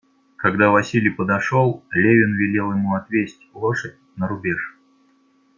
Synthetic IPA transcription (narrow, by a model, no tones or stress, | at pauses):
kɐɡd̪avɐsʲilʲɪjpəd̪ɐʂolˠlʲevʲɪnvʲɪlʲe̞lˠjɪmuɐt̪vʲesʲtʲlˠoʂət̚ʲnəɾʊbʲeʂ